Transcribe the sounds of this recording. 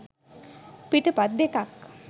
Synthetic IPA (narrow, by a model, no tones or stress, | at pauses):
piʈəpad̪jek̪ak